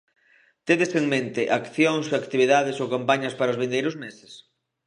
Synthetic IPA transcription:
t̪eðeseŋmẽnt̪ɪʔakθjoŋsoakt̪iβ̞iðaðesowkampaɲɐspaɾaozβẽnd̪ejɾʊzmesɪ̥s

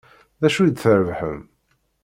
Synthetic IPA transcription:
ðæʃujd̪θəɾəvħə̰m

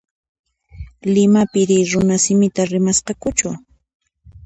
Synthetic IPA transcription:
lɪmapɪɾɪɾʊnasɪmɪt̪aɾɪmasqɑkʊt͡ʃʊ

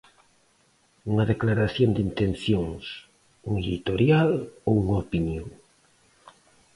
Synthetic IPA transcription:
uŋaðeklaɾaθjond̪int̪enθjoŋs | uŋeðit̪oɾjalouŋaopinjõŋ

